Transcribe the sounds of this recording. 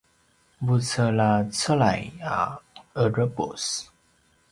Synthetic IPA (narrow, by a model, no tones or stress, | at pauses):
but͡səlat͡səlaja̰əɹəpo̰s